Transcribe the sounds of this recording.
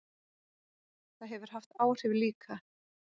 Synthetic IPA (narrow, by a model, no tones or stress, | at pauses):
θaðɦɛvʏɾ̥haft̪aːwr̥ɪːvɪliːkʰa